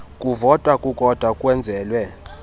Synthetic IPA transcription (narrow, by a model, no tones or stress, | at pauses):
kʼuvɔtʼwakʼukʼɔd̥ʱwakʼwɛnd͡zʱɛːlwɛ